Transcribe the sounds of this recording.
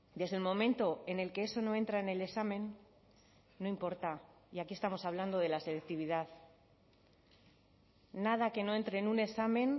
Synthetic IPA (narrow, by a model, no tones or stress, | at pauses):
d̪e̞zðelmo̞mẽ̞nt̪o̞e̞ne̞lke̞eso̞no̞e̞nt̪ɾaenele̞ksamẽ̞n | o̞impo̞ɾt̪a | iakie̞st̪amo̞saβ̞land̪o̞ð̞e̞lase̞lek̚t̪iβ̞iðað | að̞ake̞no̞e̞nt̪ɾe̞nunesamẽ̞n